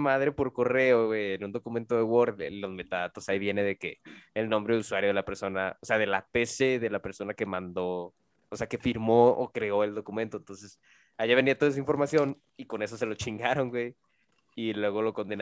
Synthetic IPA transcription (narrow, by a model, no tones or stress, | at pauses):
maðɾe̞po̞ɾko̞re̞oɣwejenũnd̪o̞kumẽnt̪oðewo̞ɾðelo̞zme̞t̪aðat̪o̞saiβje̞ne̞ðe̞kḛːlnõ̞mbɾe̞ðuswaɾjoðe̞lape̞ɾso̞naose̞aðe̞lape̞se̞ðe̞lape̞ɾso̞nake̞mãnd̪o̞ | ose̞ake̞fiɾmo̞̰ːkɾe̞o̞e̞ld̪o̞kument̪o̞ent̪o̞nse̞s | aʝeβend̪iat̪oes̬aiɱfo̞ɾmasjo̞n | iko̞ne̞s̬o̞s̬e̞lo̞t͡ʃiŋɡaɾo̞ŋɡwej | ilwe̞ɣo̞lo̞ko̞nd̪en